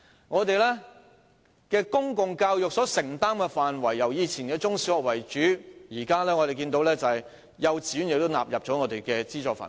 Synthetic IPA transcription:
ŋɔː˨˧t̪e˨jlɛː˥ | kɛː˧kʊ˥ŋkʊ˨ŋkaː˧wjʊ˨k̚sɔː˨˥sɪ˨˩ŋt̪aː˥mkɛ˧faː˨nwɐ˨˩jːɐ˨˩wjiː˨˧t͡sʰiː˨˩nkɛ˧t͡sʊ˥ŋsi˨˥wɔ˨k̚wɐ˨˩jt͡ʃyː˨˥jiː˨˩kaː˥lɛː˥ŋɔ˨˧ɾe˨jk̬iː˧nt̪o˧˥wlɛː˥t͡sɐ˨ɐ˨j | jɐ˨˧wt͡siː˨˥njɪ˨k̚t̪o˥wna̰ː˨p̚jɐ˨p̚t͡ʃɔː˨˥ŋɔː˨˧t̪e˨jkɛː˧t͡siː˥t͡sɔː˧kfa̰ː˨n

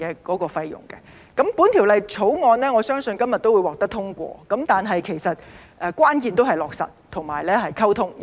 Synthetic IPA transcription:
ɛː˧kɔː˨˧˥kɔː˧fɐ˧jjʊ̰˨˩ŋkɛ̰˧ | kɐ˨˥mpuː˨˥nt̪ʰi˨˩wlɐ˨jt͡sʰo˨˥wŋɔː˧nlɛː˥ŋɔː˨˧sœː˥ŋsɵ˧nkɐ˥mjɐ˨t̪̚o˥wuː˨˧jwɔː˨k̚t̪ɐ˥t̪ʰʊ˥ŋkʷɔ̰ː˧kɐ˨˥mt̪aː˨nɦɐ˨jkʰe˨˩jsɐ˨t̚ | ʔɛː˨˧kʷwaː˥nkiː˨˧nt̪o˥wɦɐ˨˩jlɔː˨ksɐ̰˨t̚t̪ʰʊ˨˩ŋmaː˨˩jlɛː˥ɦɐ˨jkʰɐ˥wt̪ʰʊ˥ŋ

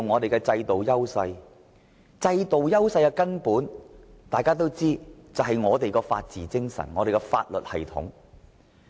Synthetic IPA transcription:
ŋɔː˨˧t̪e˨jkɛ˧t͡sɐ˧jt̪o˨wjɐ˥wsɐ˧j | t͡sɐ˧jt̪o˨wjɐ˥wsɐ˧jkɛ˧kɐ˥npuː˨˥nt̪aː˨jkaː˥t̪̬o˥wt͡siː˥t͡sɐ˨˩ɦɐ˨jŋɔː˨˧t̪e˨jkɔː˧fa̰ː˧t̚t͡siː˨˥t͡sɪ˥ŋsɐ̰˨˩nŋɔː˨˧ɾe˨jkɛ˧fa̰ː˧t̚lɵ˨t̚hɐ˨˩jt̪ʰʊ̰˨˥ŋ

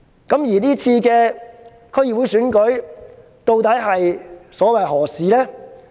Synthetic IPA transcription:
kɐ˨˥mjiː˨˩niː˥t͡sʰiː˧kɛː˧ | kʰɵ˥jiː˨wuː˨˥jsyː˨˥nkɵ˨˥ɥ | t̪o˧wt̪ɐ˨˥jɦɐ˨jsɔː˨˥wɐ˨˩jɦɔː˨˩siː˨lɛː˥

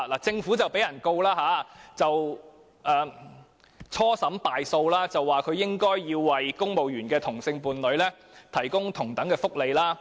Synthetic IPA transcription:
laː˨˩t͡sɪ˧ŋfu˨˥t͡sɐ˨wpe˨˥jɐ˨˩nko˧wlaː˥ɦaː˨˧˦t͡sɐ˨w | ʔɛː˨ | t͡sʰɔː˥sɐ˨˥mpaː˨jso˧wlaː˥t͡sɐ˨wːaː˨kʰɵ˨˧ɥjɪ˥ŋkɔː˥jːiː˧wːɐ˨˩jkʊ˥ŋmo˨wjyː˨˩nkɛː˧t̪ʰʊ˨˩ŋsɪ˧ŋpuː˨˧nlɵ˨˧ɥlɛː˥ | t̪ʰɐ˨˩jkʊ˥ŋt̪ʰʊ˨˩ŋt̪ɐ˨˥ŋkɛː˧fʊ˥k̚le˨˧jlaː˥

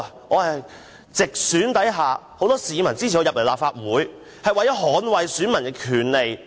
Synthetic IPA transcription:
ŋɔː˨˧hɐ˨j | t͡sɪ˨k̚syː˨˥nt̪ɐ˨˥jɦaː˨˩ho˧˥wt̪ɔː˥siː˨˧mɐ˨˩nt͡siː˥t͡sʰi˨˩ɔː˨˧jɐ˨p̚le˨˩laː˨p̚faː˧t̚wuː˨˥j | hɐ˨jwɐ˨jɔ˨˥ɦɔː˨˥nwɐ˨jsyː˨˥nmɐ˨˩nkɛ˧˥kʰyː˨˩nle˨j

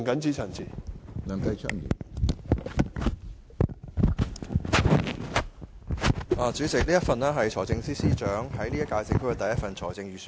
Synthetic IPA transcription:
ŋkɐ˨˥nt͡siː˨˥t͡sʰɐ˨˩nt͡si˨nɐː˨˩ŋt̪ɐ˧jt͡ʃʰœ̰˥ŋḭ˨˩ | ʔaː˨t͡syː˨˥t͡sɪ˨k̚liː˥jɐ˥t̚fɐ˨nɛː˥ɦɐ˨jt͡ʃʰɔː˨˩jt͡sɪ˧ŋsiː˥siː˥t͡ʃœː˨˥ŋhɐ˨˥jliː˥jɐ˥kːaː˧t͡sɪ˨kʰːkːɛ˧t̪ɐ˨jːɐ˥t̚fɐ˨nt͡ʃʰɔː˨˩jt͡sɪ˧ŋɥyː˨s

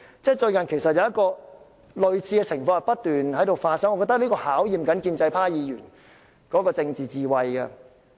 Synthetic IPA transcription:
t͡sɛː˥˩t͡ʃɵ˧ɥkɐ˨˩nkʰe˨˩jsɐ˨t̚jɐ˧wjɐ˥tkɔː˧ | lɵ˨ɥt͡sʰiː˧kɛː˧t͡sʰɪ˨˩ŋfɔː˧ŋɐ˨˩pɐ˥t̚t̪yː˨nhɐ˨˥jt̪o˨wfaː˧t̚sɐ˥ŋɔ˨˧kɔː˧t̪ɐ˥liː˥kɔː˧haː˨˥wjiː˨mkɐ˨˥nkiː˧nt͡sɐ˧jpʰaː˥jiː˨˧jyː˨˩n | kɔː˨˥kɔː˧t͡sɪ˧ŋt͡siː˨t͡siː˨˧wɐ˧jɡɛ̰˧

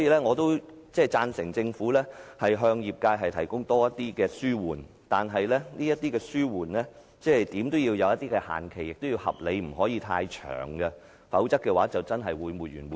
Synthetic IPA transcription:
sɔ˨˦jiː˧lɛː˥ŋɔː˨˧t̪o˥w | t͡sɛː˥˩t͡saː˧nsɪ˨˩ŋt͡sɪ˧ŋfuː˨˥lɛː˥hɐ˨jɦœː˧ŋjiː˨p̚kaː˧jɦɐ˨jt̪ʰɐ˨˩jkʊ˥ŋt̪ɔː˥jɐ˥t̪ːiː˥kɛː˧syː˥wuː˨˩n | t̪aː˨nɦɐ˨jlɛː˥niː˥jɐ˥t̪ːiː˥kɛː˧syː˥wuː˨˩nlɛː˥ | t͡sɛː˥ɛ˨˩jt̪iː˨˥mt̪o˥wjiː˧wjɐ˨˧wjɐ˥t̪̚iː˥kɛ˧ha̰ː˨nkʰe˨˩jɪ˨k̚t̪o˥wjiː˧whɐ̰˨p̚le˨˧jm̩˨˩ɦɔː˨˥jiː˨˧t̪ʰaː˧jt͡ʃʰœ̰ː˨˩ŋɡɛ˧ | fɐ˨˥wt͡sɐ˥kːɛː˧waː˨˥t͡sɐ˨wt͡sɐ˥nɦɐ˨jwuː˨˧jmuː˨˩t̚jyː˨˩nwuː˨

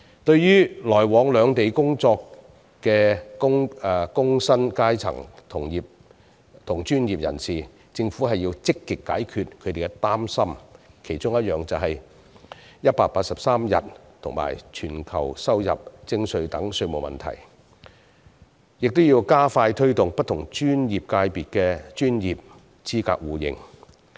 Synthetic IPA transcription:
t̪ɵ˧ɥjyː˥lɔː˨˩jwɔː˨˧ŋlœː˨˧ŋt̪e˨jkʊ˥ŋt͡sɔː˧k | kɛː˧kʊ˥ŋː˨˧kʊ˥ŋsɐ˥nkaː˥jt͡sʰɐ̰˨˩ŋt̪ʰʊ˨˩ŋjiː˨p̚ | t̪ʰʊ˨˩ŋt͡ʃyː˥njiː˨p̚jɐ̰˨˩nsiː˨ | t͡sɪ˧ŋfuː˨˥ɦɐ˨jːiː˧wt͡sɪ˥kːɪ˨kːa̰ː˨˥jkʰyː˨˧t̚kʰɵ˨˧t̪e˨˩ɡɛ˧t̪aː˥msɐ˥mkʰe˨˩jt͡sʊ˥ŋjɐ˥t̚jœː˨ŋt͡sɐ˨wɦɐ˨j | jɐ˥t̚paː˧k̚paː˧t̚sɐ˨p̚saː˥mjɐ̰˨t̚t̪ʰʊ˨˩ŋma̰ː˨˩jt͡ʃʰyː˨˩nkʰɐ̰˨˩wsɐ˥wjɐ̰˨p̚t͡sɪ˧ŋsɵ˨˧ɥt̪ɐ˨˥ŋsɵ˧ɥmo˨wmɐ̰˨nt̪ʰɐ̰˨˩j | jɪ˨k̚t̪ʊ˥wjiː˧wkaː˥faː˧jt̪ʰɵ˥ɥt̪ʊ˨ŋpɐ˥t̚t̪ʰʊ˨˩ŋt͡ʃyː˥njiː˨˩p̚kaː˧jpiː˨t̚kɛː˧t͡ʃyː˥njiː˨p̚ | t͡sʰiː˥ka̰ː˧k̚wuː˨˧jɪ̰˧ŋ

